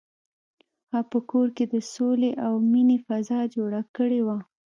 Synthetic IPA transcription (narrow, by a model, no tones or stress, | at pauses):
hɑpəkoɾked̪əsoleʔawminefazɑd͡ʒoɽakəɽewa